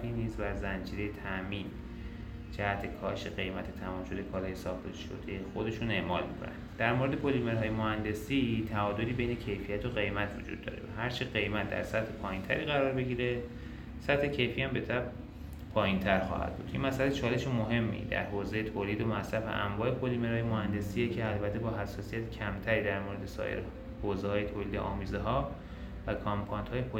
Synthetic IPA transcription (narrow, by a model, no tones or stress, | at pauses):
iːniːzvæɾzænd͡ʒiːɾejet̪ʰæʔmiːn | d͡ʒæhæt̪ʰekʰɒːʃeɣe̞jmæt̪ʰet̪ʰæmɒːmʃo̞d̪ekʰɒːlɒːjesɒːxt̪ʰe̞ʃo̰d̪ejexod̪e̞ʃuːne̞ʔmɒːlmikʰo̰næ̰n̥d̪æɾmoɾed̪e̞bo̞lime̞ɾɦɒːjemohænd̪e̞sit̪ʰæɒːd̪o̞liːbe̞jne̞cʰe̞jfijæt̪ʰoɢe̞jmæt̪ʰvo̰d͡ʒṵd̪̥̚ːɒ̰ːɾe̞̰væɦæɾt͡ʃʰeɢe̞jmæt̪̚d̪æ̰ɾsæt̪he̞pʰɒːjint̪ʰæ̰ɾiːɣæɾɒːɾbe̞ɟiːɾe̞ | sæt̪he̞cʰe̞jfiːæmbe̞t̪ʰæb̚ | pʰɒːjint̪ʰæɾxɒ̰ːhæ̰d̪̥̚bṵːd̪jimæsælæt͡ʃʰɒːle̞ʃemoɦe̞mːḭd̪æ̰ɾhoːzejet̪ʰoːliːd̪omæsɾæfḛʔæ̰ɱvɒːe̞pʰolimeɾhɒːjemohænd̪e̞siːjecʰeælbæt̪ʰːebɒːɦæsːɒːsijæt̪ʰcʰæmt̪ʰæɾiːd̪æɾmoːɾe̞d̪esɒ̰ʔḛɾ | hoːzehɒːje̞t̪ʰoːliːd̪eʔɒːmiːzeɦɒː | vækʰɒmpʰɒːjnt̪hɒːjepʰo